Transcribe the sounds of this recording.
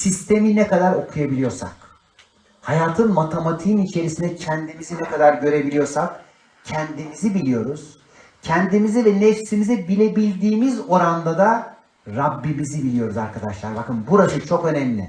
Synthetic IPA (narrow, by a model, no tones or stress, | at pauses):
sist̪ʰe̞minɛkad̪aɾo̞kʰujabilʲijo̞ɾsa̰k̚ | hajaːt̪ʰɯnmat̪ʰemat̪ʰinit͡ʃʰe̞ɾisind̪ɛcʰɛnd̪imizinɛkad̪aɾɟø̞ɾe̞bilʲijo̞ɾsak̚ | cʰɛnd̪imizibilʲijo̞ɾuz̥ | cʰɛnd̪imizɛvɛnɛfsimizɛbilʲe̞bilʲd̪iːmizo̞ɾand̪ad̪a | ɾabːimizibilijo̞ɾuzaɾkʰad̪aʃlˠaɾbakɯnbuɾasɯt͡ʃʰo̞kø̞næmlʲḭ